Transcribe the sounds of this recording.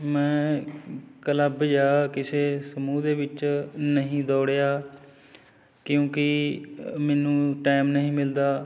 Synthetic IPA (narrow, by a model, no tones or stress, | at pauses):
mɛ̃ː | kələbd͡ʒaːakɪseːsəmuːd̪eːʋɪt͡ʃnəɦĩːd̪ɔːɽjaː | kjõːkɪ | mɛːnũːʈaːɪmnəɦĩːmɪld̪aː